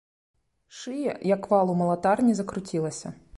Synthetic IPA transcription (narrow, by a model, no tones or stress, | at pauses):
ʃɪjɛjɐkʋɑlˠʊmɐlˠɐt̪ɑrnʲizɐkɾʊtʲilˠɐsʲɐ̰